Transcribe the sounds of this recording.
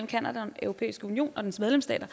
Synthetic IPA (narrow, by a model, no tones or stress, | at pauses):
l̰m̩kʰænæd̥æ̥enʔœʊʁo̝pʰḛːisɡ̥əunijo̝̰ːnʔɒ̽d̥ensmeðˠlemsd̥ɛ̰ːd̥ɐ